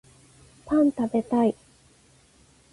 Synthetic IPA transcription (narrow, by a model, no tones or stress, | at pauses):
pãnt̪abe̞t̪ai